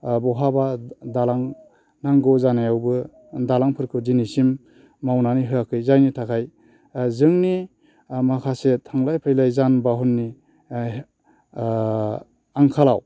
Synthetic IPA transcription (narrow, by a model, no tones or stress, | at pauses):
bɔɦabadalaŋ | naŋɡɔzanajawbɯ | dalaŋpʰɯɾkʰɯdinisimː | awnaniɦɯakʰɯjzajnitʰakʰaj | zɯŋni | makʰasetʰaŋlajpʰajlajzanbaɦunːi | aŋkʰala̰w